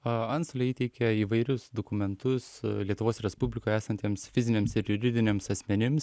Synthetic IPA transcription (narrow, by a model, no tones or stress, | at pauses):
ɐɐnsolʲɛiːt̪ʲɛɪkʲɛiːʋɐɪɾʲʊsd̪okʊmʲɛnt̪ʊslʲiɛt̪ʊʋoːsɾʲɛspʊbʲlʲɪkoːjæːsɐnʲt̪ʲiɛmsfʲɪzʲɪnʲeːmsɪɾjʊɾʲɪd̪ʲɪnʲemsɐsʲmʲɛnʲɪms